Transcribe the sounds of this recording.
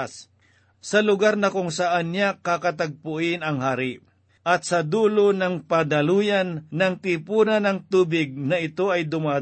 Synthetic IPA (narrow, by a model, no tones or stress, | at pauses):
s | sɐlʊɡaɾnɐkʊŋsɐʔanɲakakɐt̪ɐɡ̚pʊʔɪnɐŋhaːɾɪ | ʔɐt̪̚sɐd̪uːlonɐŋpɐd̪ɐluːjanːɐŋt̪ɪpuːnɐnɐŋt̪uːbɪɡ̚nɐɪt̪o̞ɐjd̪ʊma